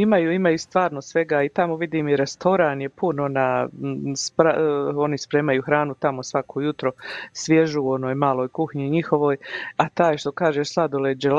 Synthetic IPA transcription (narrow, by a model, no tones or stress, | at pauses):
imajuimajust̪ʋaːɾnosʋe̞ɡaːit̪amo̞ʋid̪iːmiɾe̞st̪ʰo̞ɾaːnjepuno̞naːspɾao̞nispɾe̞ːmajuxɾaːnut̪amo̞sʋakʰojut̪ɾo̞sʋje̞ʒuo̞noːjmaːlˠo̞ːjkuxɲiɲixo̞ʋo̞ːjat̪aːjʃt̪o̞kaːʒeslˠad̪oled͡ʒel